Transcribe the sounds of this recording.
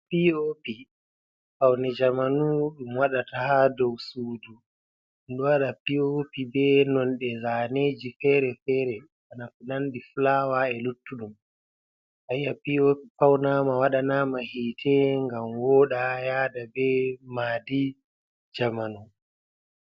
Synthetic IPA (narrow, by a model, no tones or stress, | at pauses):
piopi | fawnɛd͡ʒamanuɗumwaɗatahadɔwsuːdu | ɗɔwaɗapiopibɛnɔnɗɛzaneːd͡ʒifɛɾɛfɛːɾɛ | ɓanafunandiflaːwaɛlutːuɗum | ʔaijapiopipawnamawaɗanamahiːtʰɛŋɡamwɔːɗajaːdabɛmaːdi | d͡ʒamanu